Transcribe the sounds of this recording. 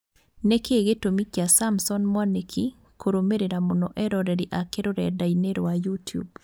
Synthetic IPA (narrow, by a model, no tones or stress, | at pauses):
nekʰeɡetomikjasamsɔnmwanekʰi | kʰoɾomeɾeɾamɔnɔʔɛɾɔɾɛɾiʔakeɾoɾɛ̰daineɾowajutjṵb̚